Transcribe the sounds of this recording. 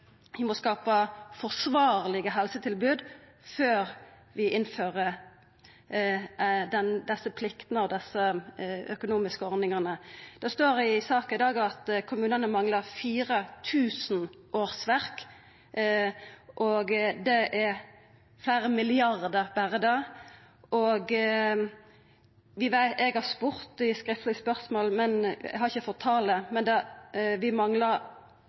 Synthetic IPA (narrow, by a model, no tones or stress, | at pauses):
ʋɪmɔskɑːpəfɔʁʂʋɑːʁlɪɡəɦɛlsət̪ʰɪlbʉːd̪ | føːʁ | ʋɪʔɪnføːʁə | d̪ɛnd̪ɛsːəpʰlɪkt̪nəɑʋd̪ɛsːəœkʊnuːmɪskəɔʁd̪ɪŋɑnəd̪̥ɛst̪oːɾɪsɑːkɑɪd̪ɑːɡɑt̪kʰʊmʉːnənəmɑŋləʁfiːʁət̪ʰʉːsn̩ | ʔoːɾsʋæɾk | ʔɔɡd̪ɛʔɛ | flæɪɾəmɪlɪɑʁd̪əʁbæʁəd̪ɑ | ʔɔɡ | ʋɪʋæɪɛɡhɑspʊɾt̪ɪskʁɪft̪lɪspœʁsmoːlmɛnɛ̰ɡhɑɾɪçəfɔt̪ʰːɑːləmɛnd̪ɛʋɪmɑŋləɾ